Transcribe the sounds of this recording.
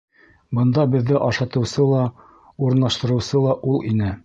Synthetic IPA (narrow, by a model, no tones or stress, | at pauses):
bɤ̆nd̪ɑbɘ̆ðːɘʔɑʃɑt̪ɤ̆wsɤlˠɑ | uɾɤ̆nːˠɑʃt̪ɤ̆ɾɤ̆wsɤlˠɑʔulˠinɘ